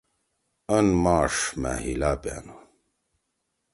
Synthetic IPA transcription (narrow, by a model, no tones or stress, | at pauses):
ənmaːʂmæ̰hilaːpa̰no